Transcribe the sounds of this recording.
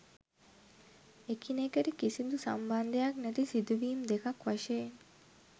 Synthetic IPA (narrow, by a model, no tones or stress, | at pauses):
ekinekeɾikisind̪usɐ̰mbɐnd̪ejaknɐt̪isid̪uʋiːmd̪ekɐkʋɐʃeːn